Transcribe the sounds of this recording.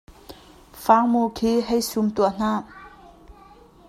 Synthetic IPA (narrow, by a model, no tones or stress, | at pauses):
faŋmukʰiɦajsumt̪uan̥a